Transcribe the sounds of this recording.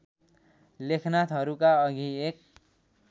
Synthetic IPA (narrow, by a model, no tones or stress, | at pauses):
lekʰnat̪ʰʌɾukaʌɡiek̚